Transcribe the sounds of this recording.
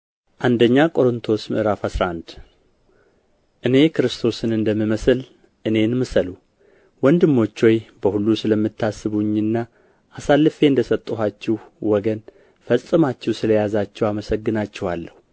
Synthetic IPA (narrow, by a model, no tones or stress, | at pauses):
ʔand̪əɲːakʼo̞ɾɨnt̪ʰo̞smɨ̰ʔɨɾafasɾaʔand̪ | ʔɨne̞kʰɨɾɨst̪ʰo̞sɨnɨnd̪əmːiməsɨl | ʔɨne̞nmɨsəlu | wɔnd̪ɨmːo̞t͡ʃːojbəhulːusɨləmːɨt̪ʰːasːɨβuɲːɨnːa | ʔːsalːɨfe̞ɨnd̪əsət̪ʼːuɦat͡ʃːɛwwɔɡən | fəsʼɨmat͡ʃːɛwsɨləjazat͡ʃːɛwaməsəɡːɨnat͡ʃːɛhalːəhu